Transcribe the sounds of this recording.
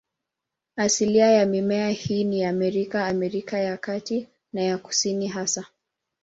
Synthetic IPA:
asiliajamimɛahiːnijaːmɛɾikaːmɛɾikajakati | najaku̥siniɦasa

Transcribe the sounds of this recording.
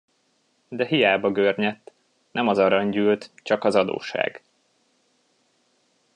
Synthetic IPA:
d̪ɛɦijaːbɒɡørɲɛt̪ː | nɛmɒzɒɾɒɲɟyːlt̪t͡ʃɒkɒzɒd̪o̰ːʃa̰ːɡ

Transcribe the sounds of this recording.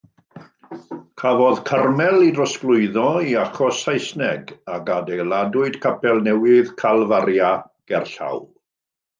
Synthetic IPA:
kʰavɔðkʰarmɛlˠidrɔsklˠʊɨðɔiaχɔsajsnɛɡakadejlˠadʊɨd̥kʰapʰɛlˠnɛwɪðkʰalˠvaɾja | ɡ̥ɛrɬa̰wl

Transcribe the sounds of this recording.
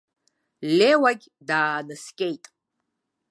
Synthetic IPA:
lewaɡʲ | daːnɨskʲʼejtʼ

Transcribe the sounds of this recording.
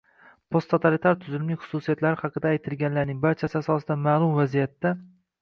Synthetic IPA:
pʰo̞st̪ʰot̪ʰalit̪ʰaɾt̪ʰʊzɪlmnɪχʊ̥susijat̪laɾɪhɑqɨd̪aːjt̪ʰɪlɡʲanlaɾnɪŋbaɾt͡ʃʰasɪasɒsɪd̪amaːlˠʊmvazijat̪ːa

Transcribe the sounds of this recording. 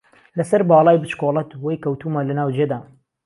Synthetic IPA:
lɐsɐɾbɑːlˠɑːjbɨt͡ʃkolˠɐt̪wɐjkɐwt̪uːmalɐnaːwd͡ʒeːd̪aː

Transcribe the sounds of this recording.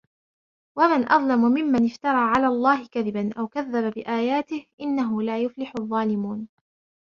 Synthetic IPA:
wamanʔɑðˤlamʊmɪmːanɪft̪ɑɾˤɑːʕalaːlˤːɑːhɪkaðɪbanʔawkaðːababɪʔaːjaːt̪ɪhʔɪnːaɦʊlaːjʊflɪħʊðˤːɑːlɪmuːn

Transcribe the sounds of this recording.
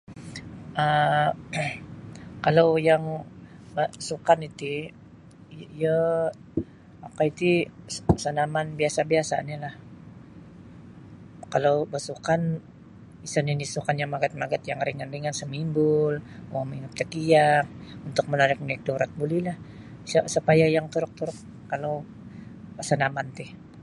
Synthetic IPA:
ʔə | kalawjaŋbasukanit̪i | jə | akait̪isanamanbiasabiasa̰nilah | kalawbəsukan | isəninisukanjaŋmaɡat̪̚maɡat̪jaŋɾiŋandiŋansəmimbʊlwamiŋʊt̪ːəkijaŋ̚unt̪ʊk̚mənaɾɪk̚nɛk̚doɾat̪̚bulilah | səsəpajajaŋt̪uɾʊk̚t̪uɾʊkː | alow | sənamant̪ɪh

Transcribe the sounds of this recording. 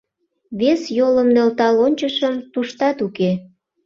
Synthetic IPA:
βesjoləmnø̆lt̪ɑlonʲt͡ɕəʃəmt̪uʃt̪ɑt̪uke

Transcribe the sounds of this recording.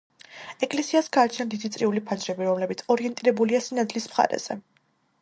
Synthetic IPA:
ɛkʼlɛsiasɡaːt͡ʃʰnand̪id̪it̪sʼɾiulipʰand͡ʒɾɛbiɾɔmlɛbit̪sʰɔɾiɛnt̪ʼiɾɛbuliasinad̪lismχa̰ɾɛ̰z̥ɛ

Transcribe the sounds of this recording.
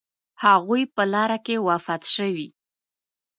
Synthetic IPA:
haɣujpəlɑɾakewafɑt̪ʃəwi

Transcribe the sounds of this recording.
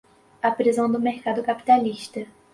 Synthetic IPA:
ɐpɾizɐ̃w̃d̪ʊmeɾkad̪ʊkapi̥t̪aliʃt̪ɐ

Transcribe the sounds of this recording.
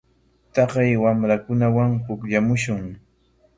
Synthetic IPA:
t̪ɑqɑjwamɾakʊnawaŋhʊkʎamʊʃʊŋ

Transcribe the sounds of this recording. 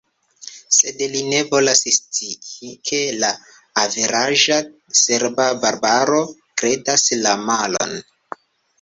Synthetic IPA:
se̞dline̞vo̞lasistiikʰe̞laː | veɾaʒase̞ɾbabaɾbaɾo̞kɾe̞daslamalo̞̰n

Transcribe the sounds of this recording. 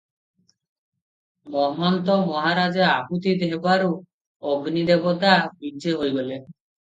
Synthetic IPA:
mɔɦɔnt̪ɔmɔɦaɾad͡ʒeaput̪id̪ebaɾu | ɔɡnid̪ebɔt̪abideɦojɡole

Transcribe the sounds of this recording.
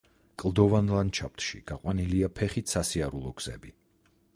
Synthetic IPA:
kʼlˠd̪ɔvanlˠant͡ʃʰap̚t̪ʰʃḭɡ̥aqʼwaniliapʰɛχit̪ʰsasiaɾulˠɔɡ̥z̥ɛbi

